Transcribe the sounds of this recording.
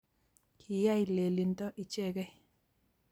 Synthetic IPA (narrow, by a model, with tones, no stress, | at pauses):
kʰi˨ja˦i˨le˨li˨ntɔ˦ʔi˨t͡ʃe˦˨ɡɛ˦